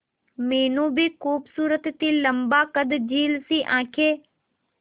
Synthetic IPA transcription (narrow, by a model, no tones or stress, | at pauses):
meːnũːbʱiːxuːbsuːɾət̪ːiːləmbaːkəd̪d͡ʒiːlsiːʔãːkʰeː